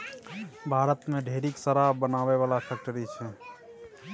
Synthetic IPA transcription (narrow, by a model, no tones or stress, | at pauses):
bʱaːɾət̪mẽɖʱeːɾiːksəɾabənaːʋeʋaːlapʰɛːk̚ʈəɾit͡ʃʰɛː